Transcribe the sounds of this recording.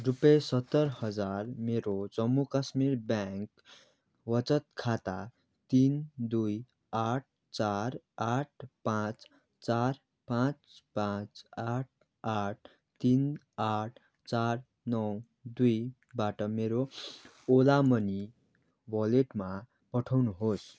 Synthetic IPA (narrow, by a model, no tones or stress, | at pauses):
rupjesʌt̪ːʌɾhʌd͡zarmeɾod͡zʌmːukasmiɾbjaŋk | wʌt͡sʌt̪̚kʰat̪a | t̪ind̪uj | aʈ̚ʰ | t͡saɾaʈ̚ʰpãt͡s | t͡sar | pãt͡spãt͡saʈ̚ʰ | aʈ̚ʰ | t̪in | aʈʰ | t͡saɾ | nʌw | d̪uj | baʈʌmeɾo | olamʌni | bʌleʈma | pʌʈʰawnuɦos